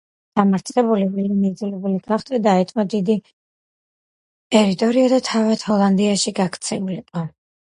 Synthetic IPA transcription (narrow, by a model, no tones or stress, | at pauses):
d̪̥amaɾt̪sʰʼχɛbulivilinid̪zlɛbuliɡaχt̪ʰʼɛd̪aɛt̪ʼmad̪id̪i | t̪ʼɛɾit̪ʼɔɾiad̪at̪ʰavat̪hɔlˠand̪iaʃiɡakʰt̪sʰɛuliqʼɔ